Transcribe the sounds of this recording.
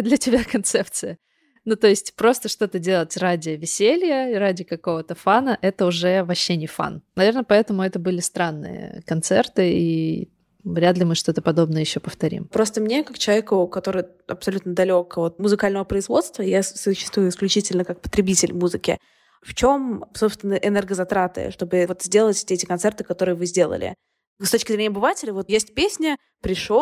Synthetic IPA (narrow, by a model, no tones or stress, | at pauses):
d̪lʲətʲɪbʲakɐnt̪sɛpt̪sɨjə | nut̪o̞jɪsʲtʲpɾo̞st̪əʂt̪o̞t̪ədʲe̞lˠətʲradʲɪvʲɪsʲelʲjəradʲɪkɐko̞vət̪əfanəʔɛt̪əʊʐɛvɐɕːenʲɪfa̰nnɐvʲe̞rnəpɐɛt̪əmʊɛt̪əbɨlʲɪst̪ɾanːɨ̰jə̰kɐnt̪sɛ̰rt̪ɨḭ | vɾʲad̪lʲɪmɨʂt̪o̞t̪əpɐd̪o̞bnəjəjɪɕːopəft̪ɐɾʲḭmpɾo̞st̪əmnʲekakt͡ɕɪlˠɐvʲekʊkɐt̪o̞ɾɨj | ɐ̰psɐlʲut̪nəd̪ɐlʲo̞kvo̞t̪̚mʊzɨkalʲnəvəpɾəɪzvo̞t̪st̪vəjasʊɕːɪ̥st̪vujʊɪsklʲʉt͡ɕitʲɪlʲnəkak̚pə̥t̪ɾʲɪbʲitʲɪlʲmuzɨkʲɪ̰ | ft͡ɕo̞msopst̪vʲɪnːəʔɛnɛrɡəzɐt̪ɾat̪ɨ̰ʂt̪o̞bɨvot̪zʲdʲe̞lˠətʲsʲtʲeɛtʲɪkɐnt̪sɛrt̪ɨ̥kɐt̪oɾɨjəvɨzʲdʲe̞lˠə̰lʲɪ̰ | st̪o̞t͡ɕkʲɪzɾʲenʲɛɐbɨvatʲɪlʲɪvo̞t̪jesʲtʲpʲesʲnʲə | pɾʲɪʂo